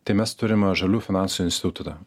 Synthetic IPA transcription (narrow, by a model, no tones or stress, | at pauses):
t̪ɐɪmʲɛst̪ʊɾʲɪmʒɐlʲuːfʲɪnɑnsʊɪnsʲt̪ʲɪt̪t̪ʊt̪ɐ